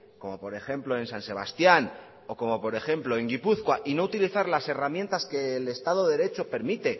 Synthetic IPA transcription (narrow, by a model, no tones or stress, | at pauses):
ko̞mo̞po̞ɾe̞xe̞mplo̞e̞nsanse̞β̞a̰st̪jan | o̞ko̞mo̞po̞ɾe̞xe̞mplo̞e̞ŋɡipuθkwaʔino̞ut̪iliθaɾlase̞ramjẽ̞nt̪aske̞ːle̞st̪aðo̞ðeɾe̞t͡ʃo̞pe̞ɾmit̪e̞